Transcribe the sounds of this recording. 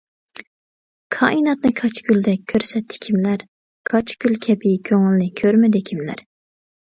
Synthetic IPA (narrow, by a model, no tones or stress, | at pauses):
kʰɑ̰ːʔinɑt̪nɨkʰɑt͡ʃɡʲyld̪ɛk̚ʲʰːøɾsɛt̪ʰːɪ̥kʲʰimlæɾ | kʰɑt͡ʃɡʲylkʲʰɛpʰɪkʲʰøŋylɪnɪkʲʰøɾmɪd̪ɪkʲʰimlæ̰ɾ